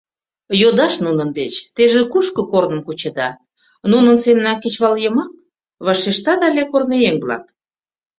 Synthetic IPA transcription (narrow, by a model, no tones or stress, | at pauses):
jod̪ɑʃnunə̆nd̪et͡ɕt̪eʒekuʃkəkornə̆mkut͡ɕed̪ɑ | nunənsemnɑket͡ɕβɑljəmɑk̚ | βɑʃeʃt̪ɑd̪ɑlʲekornejeŋblɑ̰k̚